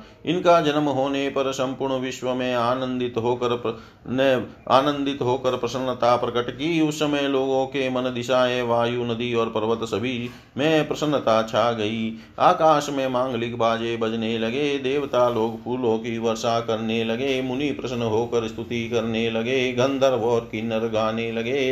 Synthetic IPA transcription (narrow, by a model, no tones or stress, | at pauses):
ɪnkad͡ʒɐnəmɦoːnepɐɾsɐ̃mpʊɾɳəʋɪʃwəmẽaːnə̃nd̪ɪt̪ɦoːkəɾ | na̰ːnə̃nd̪ɪt̪ɦoːkəɾpɾɐsənːət̪apɾɐkəʈkiʊsːəməjloːɡõkemɐnd̪ɪʃaːeʋaːjunəd̪iɔːɾpɐɾʋət̪səbʱi | mẽpɾɐsə̃nːət̪at͡ʃʰaːɡɐi | aːkaːʃmẽmãːŋɡlɪkbaːd͡ʒebɐd͡ʒnelɐɡed̪eːʋt̪aloːɡpuɾlõkiʋɐɾʃakɐɾnelɐɡemʊnipɾɐʃnəɦoːkəɾst̪ʰʊt̪ikɐɾnelɐɡeɡɐ̃nd̪ʱəɾʋɔːɾkinɐɾɡaːnelɐɡeː